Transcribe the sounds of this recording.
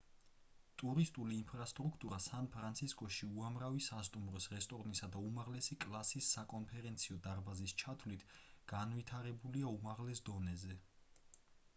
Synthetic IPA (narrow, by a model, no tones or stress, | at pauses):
t̪ʼuɾist̪ʼuliːnmpʰɾast̪ʼɾukʰt̪ʼuɾasanpʰɾant̪sʰiskʼɔʃiuamɾavisast̪ʼumɾɔsɾɛst̪ʼɔɾnisad̪aumaʁlɛsikʼlˠasisːakʼɔnpʰɛɾɛnt̪sʰiɔd̪aɾbazist͡ʃʰat̪ʰvlit̪ʰɡ̥anvit̪ʰaɾɛbuliaumaʁlɛsd̪ɔnɛzɛ